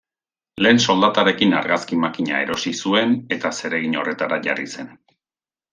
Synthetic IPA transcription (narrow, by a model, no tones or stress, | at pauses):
le̞ːnso̞ld̪at̪aɾe̞kinaɾɣaskimakiɲa̰e̞̰ɾo̞sisue̞ne̞t̪ase̞ɾe̞ɣ̞iɲo̞̰re̞t̪aɾaʝa̰rise̞n